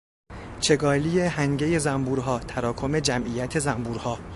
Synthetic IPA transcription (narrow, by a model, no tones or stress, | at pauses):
t͡ʃʰe̞ɡɒːlijehæŋɟeje̞zæmbuːɾɦɒːt̪ʰæɾɒːkʰo̞me̞d͡ʒæmʔijæt̪ʰe̞zæmbuːɾhɒː